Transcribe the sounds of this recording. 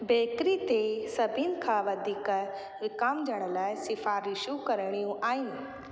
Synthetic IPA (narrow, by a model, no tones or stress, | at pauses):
beːkɾit̪esɐbʱinkʰãːʋɐd̪ʱiːkə | ʋɪkaːmd͡ʒɐɽ̃əlaːɪsɪfaːɾɪʃjũkɐɾɽ̃ijũʔaːjĩ